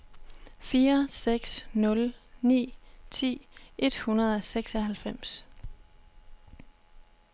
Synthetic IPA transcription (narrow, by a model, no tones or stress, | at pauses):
fiːɐseɡ̥snɔ̽lnḭːt͡sʰḭːʔe̝d̥hunɐðˠɒseɡ̥sɒɦælfem̰s